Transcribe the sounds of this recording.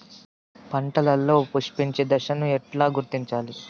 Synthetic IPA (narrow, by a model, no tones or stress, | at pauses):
pɐɳʈɐlɐlːo̞ːpuʂpiɲt͡ʃeːd̪ɐʃɐnuɛʈlaːɡuɾt̪iɲt͡ʃaːli